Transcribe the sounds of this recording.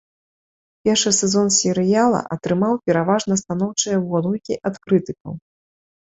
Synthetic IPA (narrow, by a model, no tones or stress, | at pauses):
pʲɛrʂɨsʲɛzɔnsʲɛɾɨjalˠɐ̰ʔɐt̪ɾɨmawpʲɛɾavaʐnɐst̪an̪ɔwt͡ʂɨjɐvɔd̪ukʲiʔat̪kɾɨt̪ɨkɐ̰w